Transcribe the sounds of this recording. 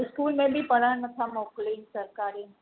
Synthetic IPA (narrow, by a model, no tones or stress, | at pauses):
skuːlmẽbʱipəɾaɳnət̪ʰamokliːnsəɾkaːɾiːn